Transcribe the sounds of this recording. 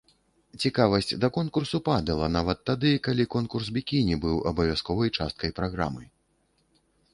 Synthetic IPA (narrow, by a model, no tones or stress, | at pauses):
t͡sʲikavɐsʲt͡sʲd̪ɐkɔnkursupad̪ɐlˠɐnavɐt̪ːad̪ɨkalʲikɔnkursbʲikʲinʲibɨwɐ̰bɐvʲaskɔvɐjt͡ʂast̪̚kɐjpɾaɣɾa̰mɨ̰